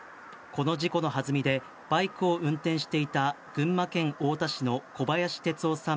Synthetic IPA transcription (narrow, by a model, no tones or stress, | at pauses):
ko̞no̞ʑiko̞no̞ɦazɨmʲid̪e̞ | b̥aikɯ̟õ̟nt̪ẽ̞ɰ̃ɕi̥t̪e̞it̪a | ɡ̥ɯ̟̃mːakẽ̞ŋo̞ːt̪aɕino̞ko̞bajaɕi̥t̪e̞t͡sɨoːsãm